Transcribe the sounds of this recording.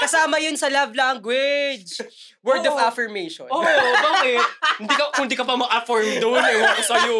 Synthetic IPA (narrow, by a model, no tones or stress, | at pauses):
kɐsaːmɐjonsɐlɐvlaŋɡwɪd͡ʒ | wɛɹd̪ɔvafɪɹmejʃɔnobɐɛhɪnd̪ikɐkʊnd̪ikɐpɐmɐɡʔɐfɔɹmd̪onɛwakɐsɐjo